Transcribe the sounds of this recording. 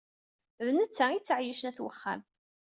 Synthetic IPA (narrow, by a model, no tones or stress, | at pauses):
ðənət͡sːæit͡sːəʕjəʃənæθwə̰χːæ̰m